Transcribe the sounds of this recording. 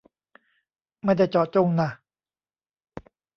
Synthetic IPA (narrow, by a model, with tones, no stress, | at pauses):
ma˥˩jda˥˩jt͡ɕɔː˨˩t͡ɕo˥˨ŋna˧˩